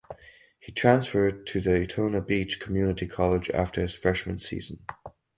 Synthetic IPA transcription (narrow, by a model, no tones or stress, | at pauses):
hitʰɹ̥æ̃nsfə˞d̚tʰɨðɨɨtʰõʊnəbit͡ʃkʰmjʉnɨɾikʰɑlˠəd͡ʒæ̰ftʰə˞ɨz̥fɹɛʃmɨ̃nsḭzn̩